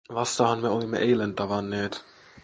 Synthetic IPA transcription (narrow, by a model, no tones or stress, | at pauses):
ʋɑst̪ɑɦɑnmeolimːḛʔejlent̪ɑʋɑnːe̞ːt̪